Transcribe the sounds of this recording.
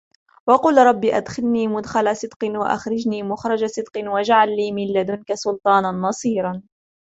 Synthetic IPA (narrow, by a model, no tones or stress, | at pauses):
wɑqʊlɾˤɑbːiʔad̪xɪlniːmʊd̪xalasɨd̪qɨnwa̰ʔa̰xɾɪd͡ʒniːmʊxɾˤɑd͡ʒasɨd̪qɨnwad͡ʒaʕalːiːmɪlːad̪ʊnkasʊlt̪ˤɑːnanːɑsˤiːɾˤɑn